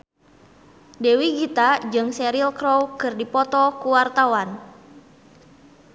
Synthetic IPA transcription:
dewiɡit̪ad͡ʒɨŋsɛɾilkɾowkɨrdipɔt̪ɔkuwart̪awan

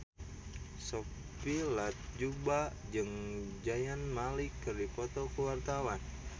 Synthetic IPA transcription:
sɔ | pilat̪̚d͡ʒubad͡ʒɨŋd͡ʒajanmalikːɨrdipɔt̪ɔkəwart̪awan

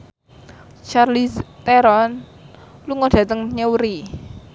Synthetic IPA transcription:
t͡ʃarlist̪ɛɾɔn | luŋoɖ̥ä̤t̪əŋɲəwɾi

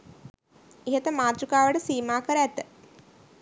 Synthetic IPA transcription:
iɦət̪əmaːt̪ɾukaːʋəʈəsiːmaːkəɾəæt̪ə

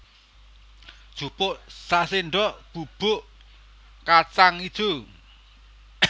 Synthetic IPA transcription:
d̥ʒ̥ṳpʊʔsaseɳɖɔʔb̥ub̥ʊʔ | kat͡ʃaŋid̥ʒ̥u

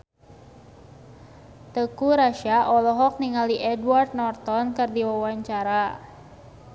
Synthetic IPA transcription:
t̪əkuɾaʃaʔɔlɔɦɔk̚niŋaliʔɛduart̪̚nɔrt̪ɔnkɨrdiwawaɲt͡ʃaɾa

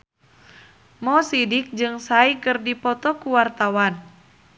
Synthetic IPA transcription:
mɔsidik̚d͡ʒɨŋsaikɨrdipɔt̪ɔkuwart̪awan

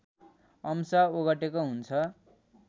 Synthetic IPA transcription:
ʌmsaoɣʌʈekoɦunt͡sʰʌ

